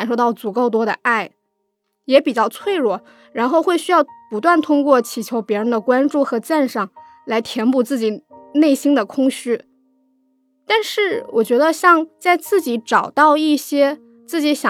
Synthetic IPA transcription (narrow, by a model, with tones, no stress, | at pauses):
nʂo˥˧t̪ɑ˥˩ʊt͡su˨˩ko˥˩ʊt̪̬wɔ˥ɾə̰˧ʔa˥˩ɪ | jɛ˧˥pi˨˩t͡ɕjɑ˥˧ʊt͡sʰwe˥˧ɪɻwɔ˥˩ | ɻa˧˥nxo˥˧ʊxwe˥˩ɪɕy˥jɑ˥˩ʊpu˧˥t̪̬wa˥˩nt̪ʰʊ˥ŋkwɔ˥˩t͡ɕʰi˨˩t͡ɕʰjo˧˥ʊpjɛ˧˥ɻə˧˥nd̪ə˨kwa˥nʈ͡ʂu˥˩xɤ˧˥t͡sa˥˧nʂɑ˥˩ŋ | la˧˥ɪt̪ʰjɛ˧˥npu˥˩t͡sɹ̩˥˩t͡ɕi˨˩ne˥˩ɪɕi˥ŋd̪ə˨kʰʊ˥ŋɕy˥˩ | t̪a˥˧nʂɻ̩˥˩wʔɔ˨˩t͡ɕɥɛ˧˥d̪ə˧ɕjɑ˥˧ŋt͡sa˥˧ɪt͡sɹ̩˥˩t͡ɕi˧˥ʈ͡ʂɑ˨˩ʊt̪ɑ˥˧ʊi˥˩ɕjɛ˥ | t͡sɹ̩˥˩t͡ɕi˧˥ɕjɑ˨˩